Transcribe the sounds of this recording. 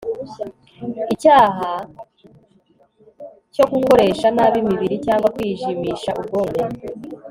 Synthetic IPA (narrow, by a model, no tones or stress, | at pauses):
icaːɦa | co̞kuko̞ɾe̞ːʃanaβimiβiɾicaːŋɡwakwiːʒimiʃaʔub̚ɡomɡe